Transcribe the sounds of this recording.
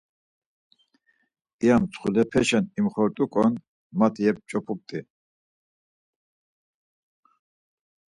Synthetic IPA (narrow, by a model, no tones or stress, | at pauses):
iamt͡sʰχulɛpʰɛʃɛnimχɔɾt̪ʼukʼɔn | mat̪ʰiɛp̚t͡ʃʼɔpʰup̚t̪ʼi